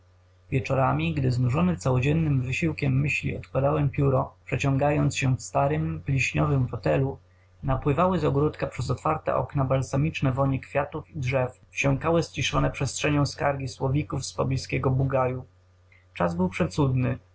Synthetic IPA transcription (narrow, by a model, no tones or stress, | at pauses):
vʲjɛt͡ʂɔɾamʲiɡd̪ɘznuʐɔnɘt̪sawɔd͡ʑɛnːɘmvɘɕiwkʲɛmːɘɕlʲḭɔt̪kwad̪awɛmpʲjuɾɔpʂɛt͡ɕɔ̃ŋɡajɔnt̪sɕɛfst̪aɾɘmplʲiɕɲɔvɘmfɔt̪ɛlu | napwɘvawɘzɔɡɾut̪kapʂɛzɔt̪faɾt̪ɛ̰ʔɔ̰knabalsamʲit͡ʂnɛvɔɲɛkfʲjat̪ufidʐɛf | ft͡ɕɔ̃ŋkawɘst͡ɕiʂɔnɛpʂɛstʂɛɲɔ̃w̃skaɾɡʲiswɔvʲikufspɔblʲiskʲɛɡɔbuɡaju | t͡ʂazbɘwpʂɛt̪sud̪nɘ